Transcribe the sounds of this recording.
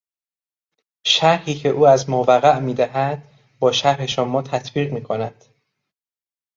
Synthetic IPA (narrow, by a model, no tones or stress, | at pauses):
ʃæɾhiːcʰe̞ʔuːæzmovæɣæʔmiːd̪æɦæd̪̥̚ | bɒːʃæɾhe̞ʃomːɒːt̪ʰæt̪ʰbiːʁmiːkʰonæd̪̥